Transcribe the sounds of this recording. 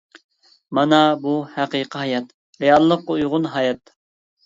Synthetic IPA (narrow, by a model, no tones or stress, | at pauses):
mɑnɑbuhæqiːqʰəɦɑjɑt̪ | ɾejɑlˠːəqːujʁʊnɦɑjɛt̪